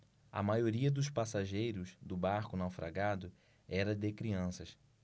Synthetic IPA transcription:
ɐ̰majoɾiɐd̪ʊʃpasaʒejɾʊzd̪ʊbaɾkʊnawfɾa̰ɡad̪ʊ | ɛɾɐd̪ɪkɾiɐ̃sɐs

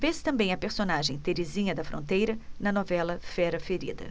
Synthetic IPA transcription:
vest̪ɐ̃bẽj̃ɐpeɾsonaʒẽj̃t̪eɾezĩɲɐd̪ɐfɾõ̰nt̪ejɾɐnɐnɔvɛlɐfɛɾɐfeɾḭd̪ɐ̰

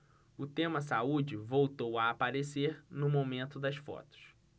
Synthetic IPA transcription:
ʊt̪ẽmɐs̬aud͡ʒɪvowt̪owɐːpaɾeseɾnʊmomẽnt̪ʊd̪ɐsfɔ̰t̪ʊ̥s

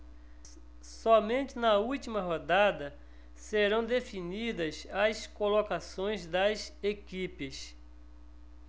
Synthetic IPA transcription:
sɔmẽnt͡ʃɪnɐuwt͡ʃimɐɦod̪ad̪ɐ | seɾɐ̃w̃d̪efinid̪ɐsɐskolokasõj̃zd̪ɐzekipɪs

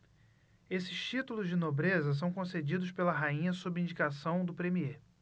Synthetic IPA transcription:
esɪ̥ʃt͡ʃit̪ulʊzd͡ʒɪnobɾezɐs̬ɐ̃w̃kõsed͡ʒid̪ʊspelɐɦaĩɲɐsobĩd͡ʒikasɐ̃w̃d̪ʊpɾemie

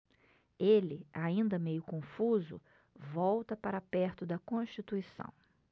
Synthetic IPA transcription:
elɪaĩnd̪ɐmejʊkõfuzʊ̰ | vɔwt̪ɐpaɾapɛɾt̪ʊd̪ɐkõʃt͡ʃit̪uisɐ̰̃w̃

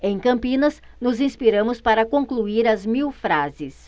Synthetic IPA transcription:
ẽj̃kɐ̃mpĩnɐs | nʊzĩspiɾɐ̃mʊspaɾɐkõŋkluiɾɐzmiwfɾazɪs

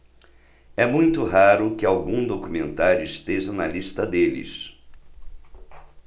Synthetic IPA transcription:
ɛmũj̃t̪ʊɦaɾʊkɪawɡũd̪okumẽnt̪aɾʊist̪eʒɐnɐliʃt̪ɐd̪elɪ̰s

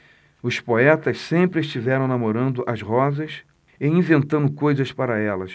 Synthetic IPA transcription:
ʊspoɛt̪ɐssẽmpɾɪeʃt͡ʃivɛɾɐ̃w̃namoɾɐ̃nd̪ʊʔɐzʁɔzɐs | eĩvẽnt̪ɐ̃nd̪ʊkojzɐspaɾɐɛlɐs

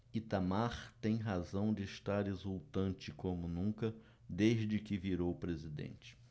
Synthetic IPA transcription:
it̪amaχt̪ẽj̃ɦazɐ̃w̃d͡ʒɪːʃt̪aɾezuwt̪ɐ̃nt͡ʃɪkõmʊnũkɐ | d̪eʒd͡ʒɪkɪviɾowpɾezid̪ḛ̃nt͡ʃɪ̥

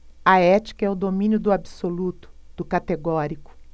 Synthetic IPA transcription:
ɐɛt͡ʃi̥kɐɛʊd̪omĩnjʊd̪ʊabisolut̪ʊ̥d̪̥ʊkat̪eɡɔɾikʊ̥

